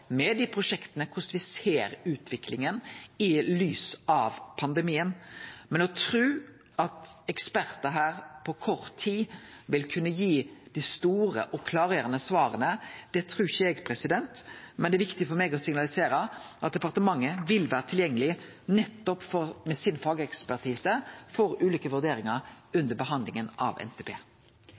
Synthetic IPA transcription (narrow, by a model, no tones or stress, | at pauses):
mɛd̪ipʰɾʊʂɛkt̪ənəkʰʊsʋɪseːɾʉːt̪ʰʋɪkʰlɪŋənɪlyːsɑʋpʰɑnd̪ɛmiːənmɛnɔt̪ʰɾʉː | ɑt̪ɛkspæɾt̪əɦæːɾpʰɔkʰɔɾt̪ʰːiːʋɪlkʰʉnːəjiːd̪̥ɪst̪uːɾə̰ʔɔkʰlɑːɾeːɾənəsʋɑːɾənəd̪̥ɛt̪ʰɾʉːɪçəɛɡpʰɾɛsɪd̪ɛnt̪mɛnd̪ɛʋɪkt̪ɪfɔɾmɛɡɔsɪŋnɑlɪseːɾəʔɑt̪̚d̪ɛpɑʁt̪əmɑŋːəʋɪlʋæːɾət̪ʰɪljɛŋːəlɪ | nɛt̪ːɔpfɔmɛsɪnfɑːɡəɛkspæʁt̪ʰiːsəfɔɾʉːliːkəʋʉɾd̪eːɾɪŋɑɾʉnd̪əɾbəɦɑnd̪lɪŋənɑ̰ʋɛ̰nt̪ʰeːpʰḛː